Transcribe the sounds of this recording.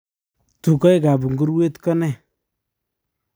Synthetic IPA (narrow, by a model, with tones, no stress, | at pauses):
tu˨kɔ˦jka˨bu˨ŋɡu˦ɾwe˦tkɔ˦nɛ˦˨